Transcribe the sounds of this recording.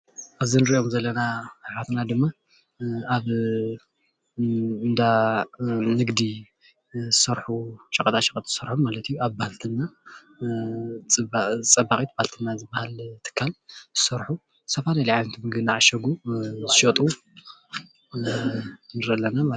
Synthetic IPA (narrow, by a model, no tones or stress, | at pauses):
ʔaβzɨnɨɾiʔomzɐlːɐnaħat̪nad̪ɨmːa | aβ | ɨnd̪a | nɨɡd̪i | zɨsɐɾħuʃʼɐkʼɐt̪ʰʼaʃɐkʼɐt̪ʼz̥ɨsɐɾħomːalɐt̪ʰijuaβbahalt̪ʰɨnːa | t͡sʼɐbaχʼit̪bahalt̪ʰɨnːazɨbːahalt̪ʰɨ̥kʰːalz̥ɨsɐɾħu | sɐfanaliʕajnt̪ʰimɨɡɨnaʕaʃɐɡuzɨʃot̪ʼu | nɨɾɐlːɐnama